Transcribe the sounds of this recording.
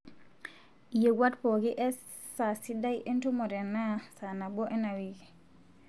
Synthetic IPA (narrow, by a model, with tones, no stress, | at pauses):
je˨ɡwa˦tpo˨ki˦ʔe˦ | sa˨si˦da˦jʔe˦ntu˦mo˨ɾe˨na˦sa˨na˨bo˦ʔe˦na˨wi˨ki˨